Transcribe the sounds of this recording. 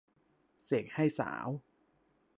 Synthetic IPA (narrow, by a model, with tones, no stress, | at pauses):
se˨˩k̚ha˥˩jsa̰ː˩˦w